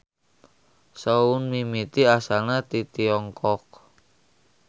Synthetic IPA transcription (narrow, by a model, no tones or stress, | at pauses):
sounmimit̪iasalnat̪it̪iɔŋkɔk̚